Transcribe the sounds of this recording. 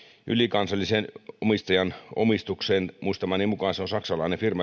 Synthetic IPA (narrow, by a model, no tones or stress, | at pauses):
ʔylikɑnsɑlːisenomist̪ɑjɑno̰mist̪ukseːnmuist̪ɑmɑːniːmmukɑːnseonsɑksɑlɑinefirmɑ